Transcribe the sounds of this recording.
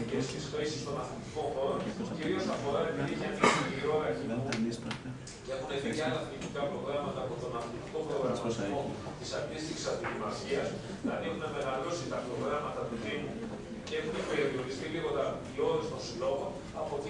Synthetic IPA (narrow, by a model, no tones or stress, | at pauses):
cest̪isxɾisist̪o̞nɐθlit̪iko̞xo̞ɾociɾio̞sɐfo̞ɾɐɾepiðiçɐnisiiɾoɐɾɐçims | e̞xunevijɐɐθlit̪ikɐpɾo̞ɣɾɐmɐt̪ɐːpot̪o̞nɐθlit̪iko̞pɾo̞ɣɾɐmɐt̪imot̪isɐnd̪ist̪içi̥sɐd̪ilimɐsiɐs | kɐnixnɐme̞ɣɐlo̞sit̪ɐpɾo̞ɣɾɐmɐt̪ɐt̪uðimu | cee̞xunepeɾiɐvioɾist̪iliɣo̞t̪ɐio̞ɾist̪o̞nsilo̞ɣo | ɐpot̪i